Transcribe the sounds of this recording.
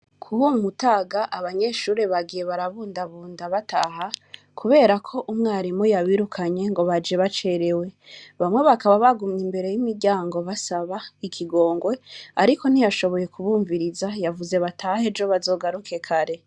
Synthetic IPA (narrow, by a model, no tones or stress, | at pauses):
kʰuβumutaːɡaʔaβaɲe̞ʃuːɾe̞βaɡije̞βaɾaβuːndaβuːndaβatʰaha | kʰuβe̞ːɾakʰo̞ʔumŋaːɾimojaβiɾukʰaɲe̞ŋɡo̞βad͡ʒeβat͡ʃe̞ɾe̞we̞βamwe̞βakaβaβaɡumɲimbe̞ɾe̞jimiɾɟaːŋɡo̞βasaβaikʰiɡo̞ːŋɡwe̞aɾikʰo̞n̥ijaʃo̞βo̞je̞kʰuβuːɱviɾizajavuze̞βatʰahe̞d͡ʒo̞βazo̞ːɡaɾukʰe̞kʰaɾe̞